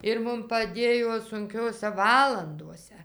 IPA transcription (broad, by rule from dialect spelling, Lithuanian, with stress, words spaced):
ɪr ˈmʊm pɐˈdʲeːjoː sʊŋʲˈkʲoːsʲɛ ˈʋɑːlˠɐndoːsʲɛ